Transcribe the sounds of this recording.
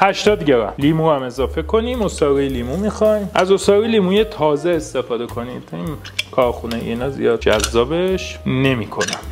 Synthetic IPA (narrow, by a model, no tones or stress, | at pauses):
hæʃt̪ɒːd̪ɟeɾæ̰mliːmuæme̞zɒːfe̞kʰo̞nimosɒːɣijeliːmumixɒjmʔæzosɒːɣiliːmujet̪ʰɒːze̞ːst̪e̞fɒːd̪e̞kʰo̞nid̪̥in | kʰɒːɾxuneḭnɒːzḭjɒːd̪̚d͡ʒæ̰zːɒːbeʃne̞miːkʰo̞næ